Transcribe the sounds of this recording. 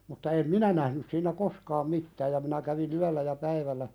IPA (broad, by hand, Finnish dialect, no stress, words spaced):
mutːɑ em minæ næhnys siːnˑæ koskɑːm mitːæːj jɑ minæ kæʋin yælːæ jɑ pæiʋælːæ